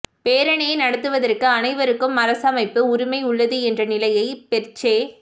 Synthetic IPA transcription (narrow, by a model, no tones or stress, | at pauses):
peːɾɐɳeɐnɐɽɐt̪ːɯʋɐðɐrkɯɐnɐɪʋɐɾɯkːɯmɐɾɐsɐmɐɪpːɯʊɾʊmɐɪʊɭːɐðɯɛndrɐnɪlɐjɐɪpɛɾt͡ʃːeː